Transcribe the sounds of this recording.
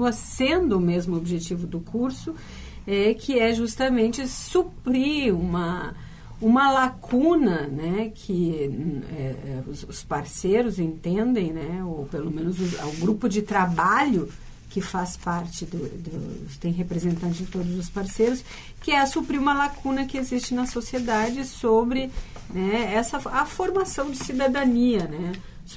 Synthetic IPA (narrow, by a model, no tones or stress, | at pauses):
ɐsẽnd̪ʊːmezmʊobiʒet͡ʃivʊd̪ʊkʰuɾsʊ | ɛkʰɪɛʒust̪ɐmẽnt͡ʃɪsupɾiũmɐ | ũmɐlakʰũnɐnɛkʰɪ | ɛɛʊsʊspaɾsejɾʊzẽnt̪ẽnd̪ẽj̃nɛowpelomẽnʊzʊ̰ʊɡɾupʊd͡ʒɪt̪ɾabaʎʊ | kɪfaspaɾt͡ʃɪd̪ʊd̪ʊt̪ẽj̃ɦepɾezẽnt̪ɐ̃nt͡ʃɪɪt̪od̪ʊzʊspaɾsejɾʊs | kɪɛsupɾiũmɐlakũnɐkɪezist͡ʃɪnɐsosied̪ad͡ʒɪsobɾɪ | nɛɛsɐɐfoɾmasɐ̃w̃d͡ʒɪsid̪ad̪ɐniɐnɛ | s